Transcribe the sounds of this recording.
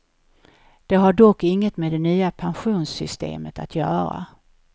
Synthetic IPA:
d̪̥ɛɦaɖɔkːɪŋːət̪med̪ɛnyːapʰanɧuːnsʏst̪ḛːmət̪at̪ʰjœːɾa̰

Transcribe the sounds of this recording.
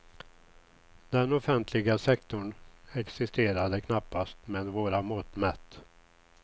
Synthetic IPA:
d̪ɛnɔfɛnt̪ʰlɪɡasɛkt̪ʊɳɛksɪst̪eːɾad̪əkʰnapːast̪meːd̪voːɾamɔːt̪mɛt̪ː

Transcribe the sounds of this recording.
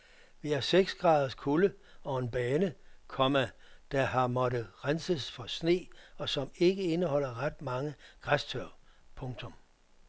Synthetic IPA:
ʋiæɐseɡ̥sɡ̥ʁɑ̈ːð̞ˠɐskʰuləɒ̽e̝nb̥ɛːnəkʰɒ̽mæd̥æɦɑ̈mɒ̽ɾəʁansəsfɒ̽sne̝̰ːɒ̽sɒ̽me̝ɡ̥əe̝nəhɒ̽l̰ɐʁɑd̥̚mɑ̈ŋəɡ̥ʁast͡sʰøɐ̰pʰɔ̽ŋt͡sʰɔ̽m

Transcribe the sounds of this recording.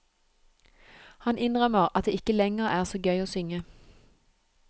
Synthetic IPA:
hɑnɪnʁœməʁɑt̪̚d̪eːɪkəlɛŋəʁæːʁsoːɡœʏoːsʏŋə

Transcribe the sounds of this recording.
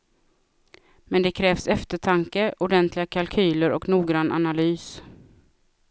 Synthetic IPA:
mɛnd̪ɛkʰɾɛːvsɛft̪əʈʰaŋkəʔʊɖɛnt̪ʰlɪɡakʰalkʰyːləɾɔ̰knuːɡɾanːʔa̰nalyːs

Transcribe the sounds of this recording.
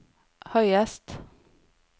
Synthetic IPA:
hœʏɛst̪

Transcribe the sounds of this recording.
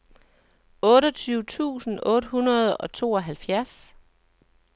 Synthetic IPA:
ɔ̽ːɾɒt͡sʰyːʊt͡sʰṵːsn̩ɔ̽ːd̥hunɐð̞̩ˠɒ̽t͡sʰo̝̰ːɒɦælfjæɐs

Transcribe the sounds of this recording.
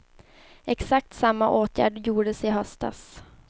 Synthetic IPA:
ɛksak̚t̪samːaʔoːt̪ʰjæ̰ːɖjuːɖəsɪɦœst̪a̰s

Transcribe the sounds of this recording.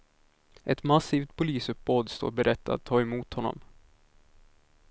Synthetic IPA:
ʔɛt̪masiːft̪̚pʰʊliːsɵp̚boːd̪st̪o̰ːɾbɛɾʔɛt̪ʰːa̰d̪t̪ʰːɑːɛmuːt̪hɔnːɔ̰m

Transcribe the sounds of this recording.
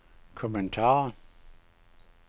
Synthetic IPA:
kʰɔmɛ̃ntʰaː

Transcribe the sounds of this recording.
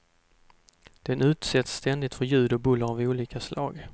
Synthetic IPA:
d̪̥ɛnʉ̟ːt̪sɛt̪sːt̪ʰɛnd̪ɪt̪fœɾjʉ̟ːd̪ɔbɵlːaɾavuːliːkaslɑ̰ːɡ

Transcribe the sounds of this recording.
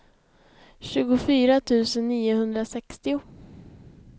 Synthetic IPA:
ɕʉ̟ːɡʊfyːɾat̪ʰʉ̟ːsənːiːʊhɵnd̪ɾasɛkst̪ɪʊ

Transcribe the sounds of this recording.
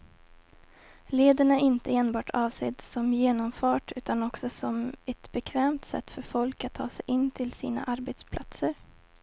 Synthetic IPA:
leːd̪əɳaʔɪnt̪əeːnbɑːʈʰɑːvsḛːd̪sɔmjeːnɔmfɑːʈʉ̟ːt̪anɔksɔsɔmɛt̪bɛkʰvɛːmt̪sɛ̰t̪ːfœɾfɔlkat̪ʰːɑ̰ːsɛjʔɪnːt̪ʰɪlsḭːna̰ʔaɾbet̪spʰlʔat̪səɾ

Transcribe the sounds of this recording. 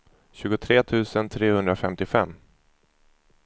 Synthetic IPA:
ɕʉ̟ːɡʊt̪ʰɾeːt̪ʰʉ̟ːsənt̪ʰɾeːhɵnd̪ɾafɛmt̪ɪfɛmː

